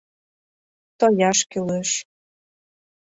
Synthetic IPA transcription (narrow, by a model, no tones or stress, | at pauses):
t̪ojɑʃkyleʃ